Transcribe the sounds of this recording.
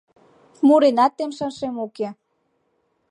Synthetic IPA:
muɾenɑt̪ːemʃənʃemoke

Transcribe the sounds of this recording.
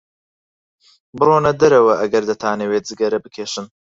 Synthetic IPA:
bɨɾoːnɐd̪ɐɾɐwɐʔɐɡɐɾd̪ɐt̪ʰaːnewet̪̚zɨɡɐɾɐbɨkʰeːʃɨn

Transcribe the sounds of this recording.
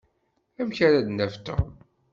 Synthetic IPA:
æmçæɾæd̪næft̪ːə̰ʁ

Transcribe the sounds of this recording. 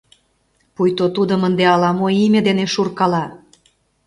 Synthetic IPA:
pujt̪ot̪ud̪ə̆mənd̪eɑlɑmoimʲed̪eneʃurkɑlɑ

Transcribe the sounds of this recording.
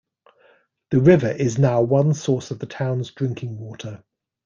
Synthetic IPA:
ðəɹɪvəɹʔɪznaʊwʌ̃nsɔˑsəvðətʰãʊ̃nzdɹɪ̃ŋkʰɪ̃ŋwɔˑtʰə

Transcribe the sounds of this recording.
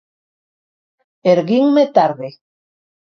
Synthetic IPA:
eɾɣiŋmet̪aɾðe

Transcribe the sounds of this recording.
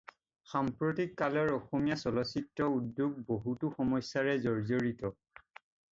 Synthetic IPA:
xampɹotikːalɔɹɔxomijasɔlɔsitɹɔudːjuɡ̚boɦutuxɔmɔsːaɹɛzoɹzoɹitɔ

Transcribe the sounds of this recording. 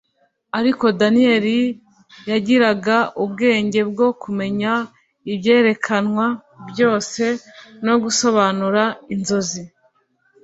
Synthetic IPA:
aɾiko̞danie̞ɾi | jaɟiɾaɡaʔubɡe̞ːɲɟe̞b̚ɡo̞kume̞ɲa | ibje̞ːɾe̞kʰanŋwa | bjo̞ːse̞no̞ɡuso̞βanuɾainzo̞zi

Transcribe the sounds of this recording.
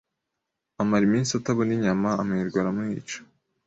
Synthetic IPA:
amaɾimiːnsataβoniɲamaːmŋiɾɡwaɾamŋiːt͡ʃo̥

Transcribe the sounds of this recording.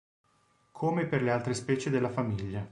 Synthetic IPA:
kʰomeperlealt̪ɾespɛːt͡ʃed̪elːafamiʎːa

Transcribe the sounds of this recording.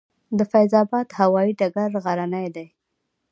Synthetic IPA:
d̪əfajzɑbɑd̪hawɑiɖaɡaɾɣaɾanajd̪aj

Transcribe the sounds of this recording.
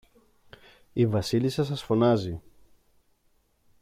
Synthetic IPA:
ivɐsilisɐs̬ɐsfo̞nɐzi

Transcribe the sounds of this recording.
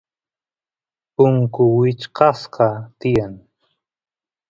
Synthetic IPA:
pʊŋkʊwɪt͡ʃqɑsqɑt̪ɪjaŋ

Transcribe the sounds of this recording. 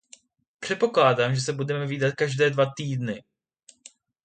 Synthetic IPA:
pr̝̥ɛt̪̚po̞klaːdaːmʒɛsɛbudɛmɛviːdat̪̚kaʒdɛːdvat̪iːdnɪ

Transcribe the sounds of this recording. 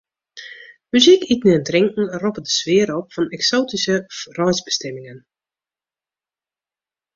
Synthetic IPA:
myzikʰitnəəntrɪŋkŋ̩rɔpədəsʋɪəɾɔpfɔnɛksoːtisərɔjzbəstɛmɪŋən

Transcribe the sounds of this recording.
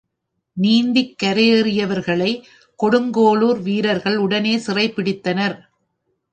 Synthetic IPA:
niːnd̪ɪkːɐɾerɪjɐʋɐɾɣɐɭɐɪ | kɔɽɯŋɡoːɭuːɾʋiːɾɐɾɣɐɭʊɽɐneːsɪrɐɪpːɪɽɪt̪ːɐnɐɾ

